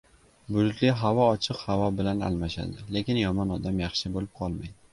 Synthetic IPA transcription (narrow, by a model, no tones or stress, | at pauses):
bʊd̪ʊt̪lɪɦavɒɒt͡ʃʰɨqhavɒbɪlana̰lmaʃa̰d̪ɪle̞kʲɪnjɒmɒnɒd̪amjɑχʃɪbolɪp̚qʰɒlˠmajd̪ɪ